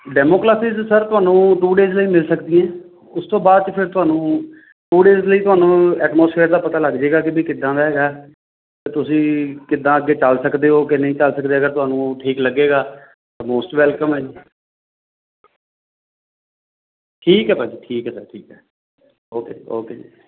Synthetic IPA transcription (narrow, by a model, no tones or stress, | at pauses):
ɖɛːmoːkɾaːsiːzsəɾt̪ʊɦaːnũːʈ̪uːɖeːzləiːmɪlsəkd̪iɛ̃ː | ʊst̪õːbaːd̪̚t͡ʃəpʰɪɾt̪ʊɦaːnũː | ʈuːɖeːzləiːt̪ʊɦaːnũːɛːʈmoːspʰeːɾd̪aːpət̪aːləɡd͡ʒeːɡaːkɪbiːkɪd̪ːãːd̪aːɦɛːɡaː | t̪eːt̪ʊsĩːkɪd̪ãːəɡːeːt͡ʃəlsəkd̪eːɦoːkɪnə̃ĩːt͡ʃəlsəkd̪eːəɡəɾt̪ʊɦaːnũːʈʰiːkləɡːeːɡaː | t̪emoːsʈʋɛːlkəmɦɛːd͡ʒi | ʈʰiːkɦɛːpaːd͡ʒiːʈʰiːkɦɛːsʈʰiːkɛː | oːkeːo̰ːkḛː